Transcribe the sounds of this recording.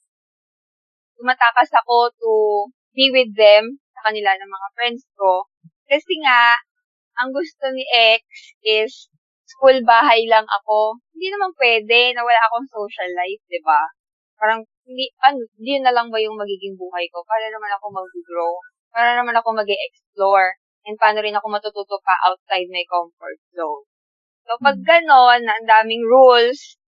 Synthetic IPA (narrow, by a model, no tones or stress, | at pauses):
t̪ʊmɐt̪aːkɐsɐko̞t̪ʊ | biwɪd̪ɛmsɐkɐnɪlanɐŋmɐŋafɹɛnd̪sko̞ | kɐsɛŋaʔ | ɐŋɡʊst̪o̞nɪʔɛk̚s | ʔɪsː | kulbaːɦɐjlɐŋʔɐ̰ko̞hɪnd̪inɐmanpwɛːd̪ɛnɐwɐlaʔɐko̞ɐŋsowʃɐlːajf̚d̪ɪba | paːɾɐŋhɪnd̪ipɐnond̪ɪjʊnːɐlɐŋbɐjʊŋmɐɡiːɡɪŋbuːhɐjko̞paːnonɐmanɐko̞mɐɡ̚ɡɹow | paːɾɐnɐmanɐko̞mɐɡɛʔɛksp̚loɹ | ʔɛn̚paːno̞ɾɪnɐko̞mɐt̪ut̪uːt̪opɐʔa̰wt̪̚sajd̪̚mɐjkomfo̰ɹt̪̚zown | soːpɐɡ̚ːɐno̞nːɐʔɐnd̪aːmɪŋɹuls